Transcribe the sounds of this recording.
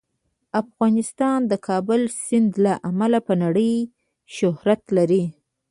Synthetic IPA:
afɣɑnɪst̪ɑnd̪əkʰɑbʊlsɪnd̪laʔamalapənaɽəj | ʃʊhɾat̪laɾi

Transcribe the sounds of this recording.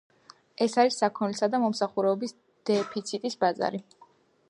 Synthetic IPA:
ɛsaɾisːakʰɔnlɛsad̪amɔmsaχuɾɛɔbis | d̪̥ɛpʰit̪sʰit̪ʼisbaza̰ɾi

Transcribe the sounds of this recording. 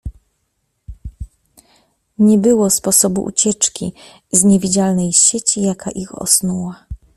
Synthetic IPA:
ɲɛbɘwɔspɔsɔbṵʔṵt͡ɕɛt͡ʂkʲi | zɲɛvʲid͡ʑalnɛjɕɛt͡ɕijakaʔixɔ̰snuwa

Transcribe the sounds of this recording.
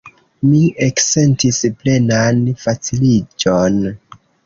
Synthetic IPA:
miʔekse̞ntisple̞nanfat͡silid͡ʒon

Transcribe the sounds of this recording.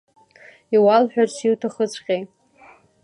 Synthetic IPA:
iwalħᶣarsʰiwtʰaχət͡sʷʰʼqʲʼejt

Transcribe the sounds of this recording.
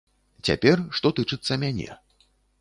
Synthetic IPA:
t͡sʲa̰pʲɛrʂt̪ɔt̪ɨt͡ʂɨt̪sːɐmʲanʲɛ̰

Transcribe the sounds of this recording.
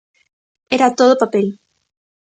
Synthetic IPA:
eɾat̪oðopapel

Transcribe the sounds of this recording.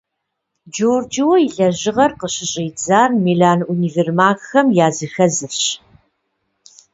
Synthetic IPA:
d͡ʒoːrd͡ʒiwɔɪɮɐʑɪʁɐrqəɕɪɕʼiːd͡zaːrmiːɮaːnuniːvermaːxxɐmjaːzɨxɐzɨfɕ

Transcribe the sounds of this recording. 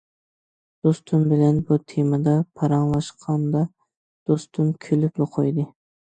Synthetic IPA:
d̪̥ost̪ʰʊmbɪlɛnbut̪ʰemɑd̪ɑpʰɑɾɑŋlˠɑʃqʰɑnd̪ɑ | d̪̥ost̪ʰumkʲʰølyploqʰojd̪ɨ

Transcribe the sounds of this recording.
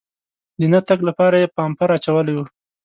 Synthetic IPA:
d̪ənat̪aklapɑɾajepɑmpaɾat͡ʃawəlawu

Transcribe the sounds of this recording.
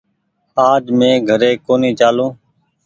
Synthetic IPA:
aːd͡ʒmẽːɡʱəɾeːkoːniːt͡ʃaːlõː

